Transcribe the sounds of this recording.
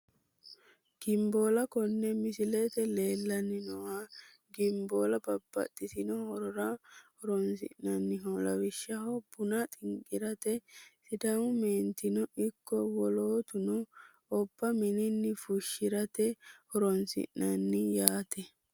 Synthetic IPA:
ɡ̥ɪmbo̞ːlɐkɔnːɛmɪsɪlet̪ɛle̞ːlːɐnɪnɔwa | ɡɪmboːlɐbɐbːɐ̰t̪ʼːɪt̪ɪnɔhɔɾɔɾɐhɔɾɔnsɪ̰nnɐnːɪɦɔlɐwɪʃːɐɦɔb̥ʊnɐt̪ʼɪŋkʼɪɾɐt̪ɛsɪd̪ɐmʊmeːnt̪ɪnɔɪkːɔwɔloːt̪ʊnʊ | ɔb̥ːɐmɪnɪnːɪfʊʃːɪɾɐt̪ɛhɔɾɔnsɪ̰ʔnɐnːɪjaːt̪ɛ

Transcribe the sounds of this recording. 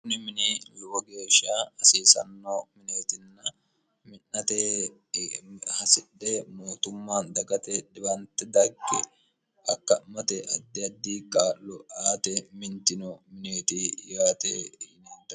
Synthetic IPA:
kʊnɪmɪnelʊbɔɡe̞ːʃːaɐsiːsɐ̰nːomɪneːt̪ɪnːɐ | mɪnːɐt̪eː | hɐsɪᶑːɛmoːt̪ʊmːaːnd̪ɐɡɐt̪ɛᶑɪbɐnt̪ɛd̪ɐɾkːɛ | ɐkːɐmɐt̪ɛʔɐd̪ːɪɐd̪ːiːkʼaːlɔʔaːt̪ɛmɪnt̪ɪnɔmɪneːt̪ijaːt̪ḛːneːd̪ɐ

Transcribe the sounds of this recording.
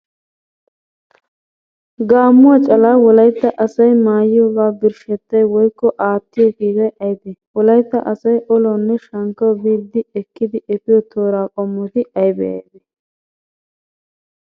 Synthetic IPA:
ɡaːmːʊwɐt͡ʃʼɐlaːwɔlɐjt̪ːɐʔɐsɐjmaːjɪjoːɡaːbɪɾʃɛt̪ːɐjwɔjkːɔʔaːt̪ːɪjɔkiːzɐjʔɐjd̪ɛwɔlɐjt̪ːɐʔɐsɐjʔɔlɔnːɛʃɐŋkːɐwbiːd̪ːɪɛkːɪd̪ɪʔɛfɪjɔt̪ʰoːɾaːkʼɔmːɔt̪ɪɐjbɛjɐ̰jd̪ɛ

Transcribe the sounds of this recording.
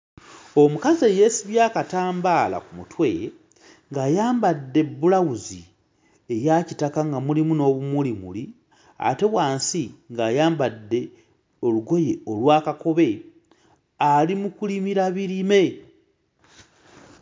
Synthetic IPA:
o̞mukazeje̞siβjaːkataːmbaːla̰kumutwḛ | ŋɡaːjaːmbadːe̞bːulawuzi | e̞jacitakaŋɡamulimuno̞ːβumulimṵli | a̰te̞βwaːnsiŋɡaːjaːmbadːe̞ | o̞luɡo̞je̞o̞lwaːkako̞βe̞ | alimukulimiɾaβiɾime̞

